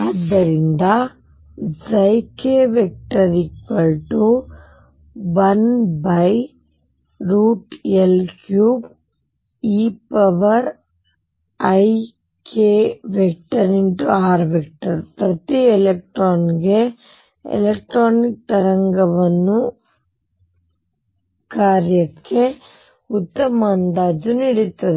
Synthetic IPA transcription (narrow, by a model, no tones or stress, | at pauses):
aːd̪ːɐɾind̪ɐ | d͡ʒɐjkeʋek̚ʈɐɾikpɐɭʈu | ʋɐnbɐj | ɾuːʈelkjuːb̚ | iːpɐʋɐɾ | ɐj | kʰeːʋek̚ʈɐɾiɳʈuaːɾʋek̚ʈɐɾpɾɐt̪ielek̚ʈɾoːnɡe | ḛlek̚ʈɾoːnik̚t̪ɐɾɐŋɡɐʋɐnːu | kaːɾjɐkːe | ut̪ːɐmaːnd̪aːd͡ʒuniɽit̪ːɐd̪e